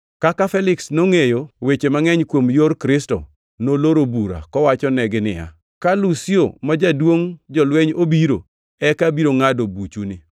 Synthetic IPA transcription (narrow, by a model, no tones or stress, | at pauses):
kakafɛlɪksnoŋejowet͡ʃemaŋɛɲkwomjorkɾɪstɔ̰ | noloɾobuɾa̰kɔwat͡ʃɔnɛɡɪnɪ̰ja̰ | kalusio̰mad͡ʒadwoŋd͡ʒɔlweɲobiɾo | ɛkabiɾoŋadobut͡ʃunɪ